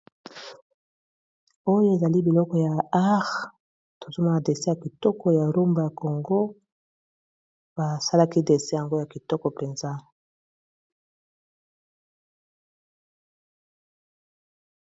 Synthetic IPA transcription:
o˦jo˦e˨za˨li˦bi˨lɔ˦kɔ˨ja˨a˦ʁ | to˨zo˦ma˨de˨se˦ja˨ki˨tɔ˦kɔ˨ja˨ʁu˦mba˨ja˨ko˨ŋɡo˦ | ba˨sa˦la˦ki˦de˨se˦ja˨ŋɡo˦ja˨ki˨tɔ˦kɔ˨pe˨nza˦

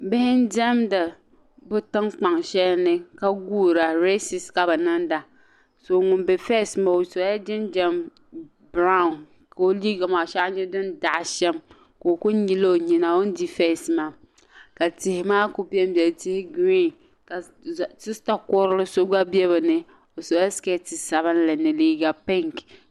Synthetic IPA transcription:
bɪ˦hɪ˦n˦d͡ʒɛ˦mda˨ | bʊ˦tɨ˦ŋk͡pa˨ŋʃɛ˦lnɨ˦ka˦ɡuː˦ɾa˨ɾe˦si˨ska˨bɨ˨nɨ˦nda˨ | so˨ŋʊ˨mbɛ˨fɛ˦˨sɨ˨ma˨o˨so˨˦a˦d͡ʒɪ˦nd͡ʒɛ˦m | bɾa˦ʊ̃˨n | ka˨o˦liː˦ɡa˨maː˨ʃa˦ʔɲɛ˦dɨ˦nda˨ʔʃɛ˦m | ko˨o˨ku˦n˦ɲi˦lo˦˨ɲi˨na˨o˦n˦di˦fɛ˦˨sɨ˨ma˦ | ka˨tɪ˨hɪ˨maː˦ku˦pi˦ɛ˦m˦bjɛ˨ltɪ˦hɪ˦ɡɾi˦ | ka˨ | tɨ˦sta˦kɔ˦ɾɨ˦lɨ˦so˦ɡa˦bi˦ɛ˦βɨ˨nɨ˨ | o˨so˨˦a˦ske˦ti˨sa˨bɨ˦n˦la˨nɨ˨liː˦ɡa˨pɛ˦ŋk

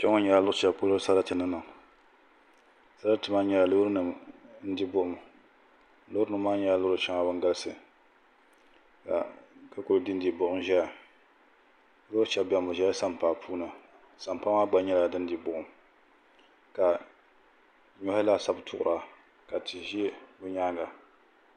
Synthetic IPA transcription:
t͡ʃɛ˦ŋɔ˦ɲɛ˨la˨˦lʊ˦t͡ʃɛ˨po˦lʊ˦sa˦ɾa˦tɨ˨nɨ˦na˨ | sa˦ɾa˦tɨ˨ma˦ɲɛ˨la˨lʊ˦ɾnɨ˨mn̩˦di˦bʊ˦ʔʊ˨m˨˦ | lʊ˦ɾnɨ˨˦maː˦ɲɛ˦la˦lʊ˦ɾʊ˦t͡ʃɛ˦ŋa˨˦ba˦ŋɡa˦lsɨ˨ | ka̰˨ka˦kʊ˨ldi˦n˦di˨bʊ˦ʔʊ˦mʒɛ˦ja˨˦ | lʊ˦t͡ʃɛ˨bɛ˨mbʊ˨ʒɛ˦a˦sa˦m˨paː˨pʰuː˦na˨ | sa˨m˨pa˦maː˦ɡ͡ba˦ɲɛ˦la˨dɨ˦n˦di˨bʊ˨ʔʊ˨m | ka˨ | ɲɔ˦ha˦la˦sa˦btʰʊ˦˨ʔʊ̰˨ɾʔa˨ | ka˨tɨ˨ʒi˦bʊ˦ɲaː˦ŋɡa˨

